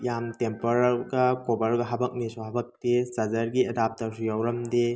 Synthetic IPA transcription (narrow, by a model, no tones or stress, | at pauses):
jamtempoɾaɾɡɐkobɐɾɡɐɦɐbɐk̚nisuɦɐbɐk̚tesɐzɐɾɡiedap̚tɐɾsujawɾɐmde